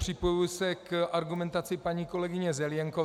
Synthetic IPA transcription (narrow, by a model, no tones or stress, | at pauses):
r̝̥ɪpo̞jujsɛkʔaɾɡumɛnt̪at͡sɪpaɲiːko̞lɛɡɪɲɛzɛljaŋko